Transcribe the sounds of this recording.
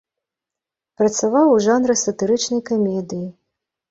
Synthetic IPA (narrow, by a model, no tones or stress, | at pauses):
pɾɐt̪savawʐanɾɨsɐt̪ɨɾɨt͡ʂnɐjkamʲɛd̪ɨji